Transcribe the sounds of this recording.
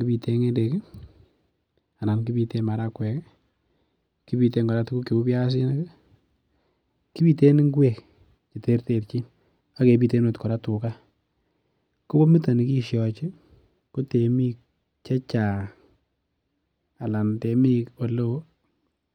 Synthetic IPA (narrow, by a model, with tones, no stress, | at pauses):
ki˦bi˧tʰe˦ŋe˦de˨k | a˨na˨nki˦bi˧te˦ma˨ɾa˦kwɛ˨k | ki˦bi˨te˦ŋɡɔ˨ɾa˦tu˦ku˦ke˨u˦bja˦s̬ɪ˦na˦k | ki˦bi˨te˦ni˦ŋɡwe˨k | t͡ʃi˨te˦ɾte˨pt͡ʃi˦n | a˦ke˨bi˦te˦no˨tkɔ˨ɾa˦tu˨ka˦ | ko˦bo˦mi˦ta˨ni˨˦ki˦ʃjɔ˨t͡ʃɪ˦ | ko˦te˨mi˦k | t͡ʃɛ˦t͡ʃa˨ | a˨la˨nte˨mi˦ko˨lo˦